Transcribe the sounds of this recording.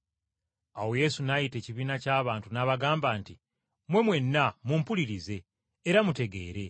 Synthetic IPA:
awo̞je̞sunajite̞ːciβiːnacaːβaːntunaβaɡaːmbaːnti | mwe̞mwe̞nːamuːmpuliɾize̞ː | ɾamute̞ɡe̞̰ːɾe̞

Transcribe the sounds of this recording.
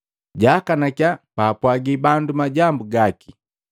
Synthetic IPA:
ɟakanakjapaːpwaɡibandumaɟambuɡaki̥

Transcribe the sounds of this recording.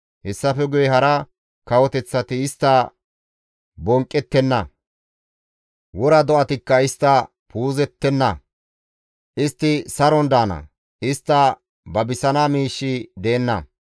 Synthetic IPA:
hɛsːɐfɛɡʊjɛhɐɾɐ | kɐwɔt̪ɛt͡sːɐt̪ɪːst̪ːɐ | bɔŋkʼːɛt̪ːɛnːɐ̰ | wɔɾɐd̪ɔʔɐt̪ɪkːɐɪst̪ːɐ | puːzɛt̪ːɛnːɐ | ʔɪst̪ːɪsɐɾɔnd̪aːnɐ̰ | ɪst̪ːɐ | bɐbɪsɐnaːmiːʃːɪd̪eːnːɐ̰

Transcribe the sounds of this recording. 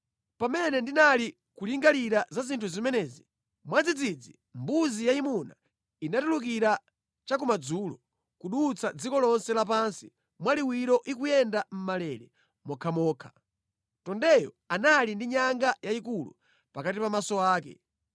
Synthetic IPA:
pamɛnɛndinali | kuliŋɡaliɾazazintʰuzimɛnɛːzi | mwad͡zid͡zid͡zi | mbuzijaimuna | inatuluk̬iɾa | t͡ʃak̬umad͡zulɔ | kuɗut͡sʰad͡zikɔlɔnsɛlap̬ansi | mwaliwiɾɔʔikujɛndam̩malɛɾɛ | mɔkʰamɔːkʰḁ | tɔndɛjɔ̰ | analindiɲaŋɡajaikulṵ | pakatipamasɔaːkɛ̰

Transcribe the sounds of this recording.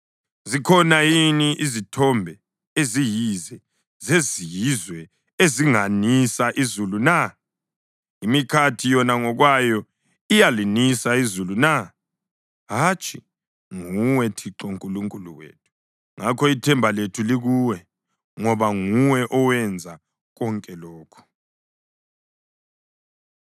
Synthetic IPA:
zikʰɔnajiniʔizitʰɔmbʱɛ | ezijizɛ | zezijizwɛ | eziŋanisaʔizuluna | imikʰatʰijɔnaŋɔɣwajɔ | ijalinisaizuluna | ɦat͡ʃʼi | ŋuwɛtʰiǁɔŋkʼuluŋkʼulṵwḛtʰu̥ | ŋʔakʰɔitʰɛmbʱaletʰuliɣuwɛ | ŋɔβaŋuwɛʔɔwɛnd͡zʱa | ɣɔŋkʼɛlɔːkʰɔ̥

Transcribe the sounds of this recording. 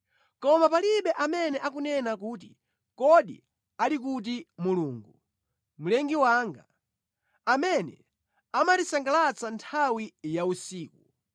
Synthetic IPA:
kɔmapaliɓɛʔamɛnɛʔak̬unɛnak̬uːt̬i | kɔɗḭ | alik̬ut̬imuluːŋɡu | mulɛŋɡiwaːŋɡa̰ | amɛnɛ̰ | amatisaŋɡalat͡santʰawijausiːku

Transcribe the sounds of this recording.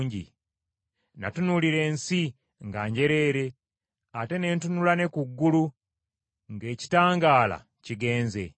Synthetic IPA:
ɲɟḭ | na̰tunuliɾe̞ːnsi | ŋɡaːɲɟe̞ɾe̞ːɾe̞ | ate̞ne̞ːntunulane̞kuɡːulu | ŋɡe̞ːci̥taːŋɡaːla̰ | ciɡe̞ːnze̞̰

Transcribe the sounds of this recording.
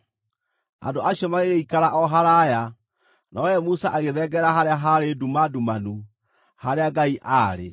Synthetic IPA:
a̰ndoʔaɕiɔmaɣeɣeikaɾaʔɔɦaɾaja | nɔjɛmusaʔaɣeðɛɡɛɾaɦaɾeaɦaɾedumadumanu | haɾeaɡaiʔaɾḛ

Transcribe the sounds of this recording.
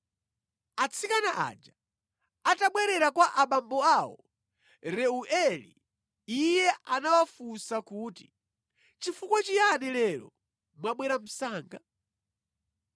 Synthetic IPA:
at͡sʰikanaʔa̰d͡ʒa | ataɓwɛɾɛɾakwaʔaɓambɔaːwɔ | ɾɛuʔɛlḭ | ijɛanawafusakuːti | t͡ʃifukwat͡ʃijanɛlɛɾɔ̰ | mwaɓwɛɾam̩saːŋɡa

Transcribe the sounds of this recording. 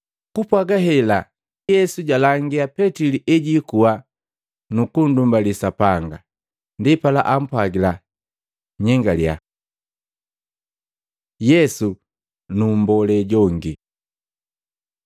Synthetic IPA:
kupwaɡaɦɛla | jɛsuɟalaŋɡiapɛtiliʔɛɟikua | nukun̩dumbalisapaŋɡa | ndipalaʔam̩pwaɡila | ɲɛŋɡalja̰ | jɛsu | numbɔlɛɟɔŋɡi

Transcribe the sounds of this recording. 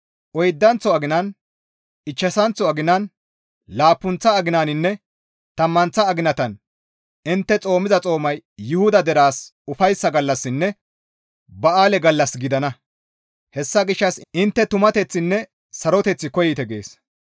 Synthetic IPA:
ʔɔjd̪ːɐnt͡sːɔɐɡɪnɐn | ɪt͡ʃːɛsɐnt͡sːɔɐɡɪnɐn | laːpːʊnt͡sːɐːɡɪnaːnɪnːɛ | t̪ɐmːɐnt͡sːɐːɡɪnɐt̪ɐn | ɪnt̪ːɛt͡sʼo̞ːmɪzɐt͡sʼo̞ːmɐjːʊhʊd̪ɐd̪ɛɾaːsʊfɐjsːɐɡɐlːɐsːɪnːɛ | bɐaːlɛɡɐlːɐsɡɪd̪ɐnɐ | hɛsːɐɡɪʃːɐsʔɪnt̪ːɛt̪ʊmɐt̪ɛt͡sːɪnːɛ | sɐɾɔt̪ɛt͡sːɪkɔjɪt̪ɛɡe̞̰ːs

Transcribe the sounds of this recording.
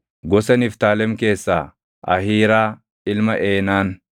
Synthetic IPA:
ɡɔsɛnɪft̪aːlɛmke̞ːsːa̰ː | ʔɐ̰hiːɾaː | ɪlmɐʔeːnaːn

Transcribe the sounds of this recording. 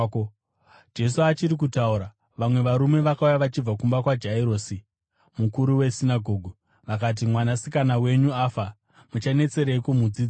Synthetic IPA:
d͡ʒe̞s̬uat͡ʃiɾik̬utauɾa | ʋamwe̞ʋaɾume̞ʋakaujaʋat͡ʃib͡vakumbakwad͡ʒaiɾoːsi | mukuɾuwe̞sinaɡʱo̞ːɡʱu | ʋakat̬imwanasikanawe̞ɲuaːfa | mut͡ʃane̞t͡se̞ɾekumud͡ziːd͡za

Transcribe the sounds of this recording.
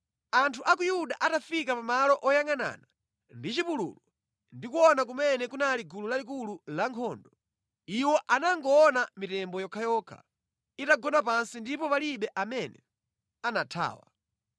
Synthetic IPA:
antʰuʔakujuɗaʔatafikapamalɔʔɔjaŋana̰ːna | ndit͡ʃipulṵlɔ | ndikuɔnak̬umɛnɛkunaliɡululalik̬ululaŋkʰɔːndɔ | iwɔʔanaŋɡɔɔnamitɛmbɔjɔkʰajɔːkʰa̰ | itaɡɔnapansindipɔpaliɓɛʔamɛnɛ̰ | anatʰa̰ːwa̰

